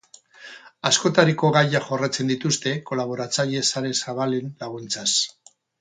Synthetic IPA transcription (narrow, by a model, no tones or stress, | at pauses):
asko̞t̪aɾiko̞ɣajaxo̞rat͡se̞nd̪it̪ust̪e̞ko̞laβ̞o̞ɾat͡saʎe̞saɾe̞saβalenlaɣ̞unt͡sas